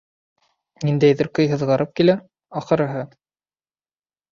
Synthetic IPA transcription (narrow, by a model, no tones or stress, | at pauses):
nind̪æjðɘɾkɤjɦɤ̆ðʁɑɾɤp̚kilæ | ɑχɤ̆ɾɤ̆ɦɤ